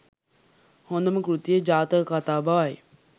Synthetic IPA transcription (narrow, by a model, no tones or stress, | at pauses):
hõːnd̪əmɐkɾut̪ijed͡ʒaːt̪əkat̪aːbʱaʋaːe